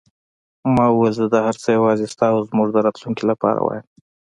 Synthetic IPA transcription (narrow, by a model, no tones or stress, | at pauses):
mɑuwelzəd̪ɑhaɾt͡səjawɑzest̪ɑozmuʐd̪əɾɑt̪luŋkilapɑ̰ɾa̰wɑ̰jəm